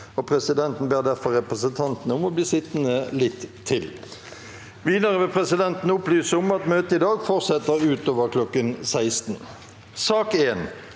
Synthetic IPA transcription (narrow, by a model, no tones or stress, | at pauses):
ɔpʰʁɛsɪd̪ɛnt̪n̩beːʁd̪æʁfɔʁɛpʁəsənt̪ʰɑnt̪n̩əʊmɔbliːsɪt̪ːnəlɪt̪ʰːɪl | ʋiːd̪əʁəʋɪlpʰʁɛsɪd̪ɛnt̪n̩ʊplyːsəʊmɑt̪møːt̪əɪd̪ɑːɡfɔʁsɛt̪ːəʁʉːt̪oːʋəʁkʰlɔkːənsæɪst̪n̩ | sɑːkeːn